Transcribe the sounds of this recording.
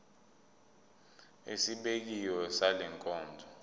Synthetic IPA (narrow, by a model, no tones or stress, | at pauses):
esiɓek̬ijɔsalɛŋkʼɔːndʱɔ